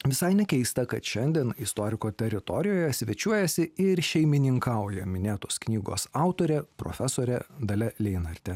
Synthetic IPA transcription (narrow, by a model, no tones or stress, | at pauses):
ʋʲɪsɐɪnʲɛkʲɛɪst̪ɐkɐt̪ʃʲɛnʲd̪ʲiɛnɪst̪oːɾʲɪkoːt̪ʲɛɾʲɪt̪ɔɾʲɪjoːjɛsʲʋʲɛt͡ʃʲuɔjɛsʲɪɪɾʃʲɛɪmʲɪnʲɪŋkɑˑʊjɛmʲɪnʲeːt̪oːsknʲiːɡo̰ːsɑˑʊt̪oːɾʲɛpɾo̰ːfʲɛsoːɾʲɛd̪ɐlʲɛlʲɛɪnɐɾʲt̪ʲɛ